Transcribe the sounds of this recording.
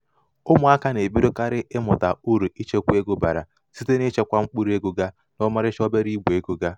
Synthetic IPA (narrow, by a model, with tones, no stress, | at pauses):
ʊ˦mʊ˨a˦ka˦ne˨bi˦ɾʊ˦ka˦ɾɪ˦ʔɪ˦mʊ˨ta˨u˦ɾu˨i˦t͡ʃe˦kʷe˦ɡʊ˦ba̰˨ɾa̰˨ | si˦te˦ne˦t͡ʃe˦kʷa˦ŋ͡m̩˦k͡pu˦ɾe˦ɡʊ˦ɡa˦ | nʊ˦ma˦ɾɪ˦t͡ʃɔ˦be˦ɾi˦ɡ͡bʷe˦ɡʊ˦ɡa˦